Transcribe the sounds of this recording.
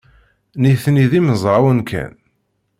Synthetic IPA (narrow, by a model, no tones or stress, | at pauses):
niθniðiməzˤɾˤawənkʰæ̰n